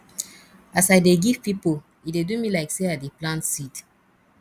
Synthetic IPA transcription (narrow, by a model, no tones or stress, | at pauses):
asajdeɡiv̥pipo | idedumilaɪkseadiplãntsit